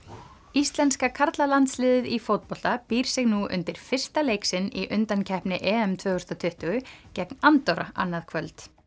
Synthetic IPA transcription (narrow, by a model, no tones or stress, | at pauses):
ist̪lɛnskakʰaɾt̪lalant̪slɪːðɪðifowt̪̚pɔl̥t̪apiːɾ̥sɪɣnuʏ̰nt̪ɪɾ̥fɪr̥st̪aleːjksɪniʔʏnt̪ancʰɛhpnɪʔɛːɛmt̪ʰvœːʏ̥st̪ɔt̪ʰʏht̪ʏɣʏcɛknant̪ɔɾa̰ʔa̰nːaðkʰvœlt̪